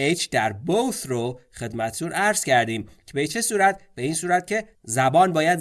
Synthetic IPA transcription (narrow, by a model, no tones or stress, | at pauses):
ejt͡ʃʰd̪æɾbowt̪ɾoxe̞d̪mæt̪ʰt̪ʰunʔæɾz̥cʰæɾd̪iːmcʰebet͡ʃʰe̞suːɾæt̪b̥e̞iːnsuːɾæt̪̚cʲʰe̞ | zæbɒːnbɒːjæd̪